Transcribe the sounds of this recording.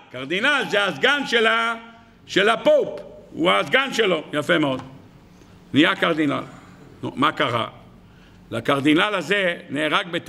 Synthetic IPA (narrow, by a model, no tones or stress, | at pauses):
kaʁd̪inalzeazɡanʃela | ʃelapopṵazɡanʃelo̞jafemeo̞d̪ | nijakaʁd̪ina̰l | nṵmakaʁa̰ | lakaʁd̪inalazeneːʁak̚bet̪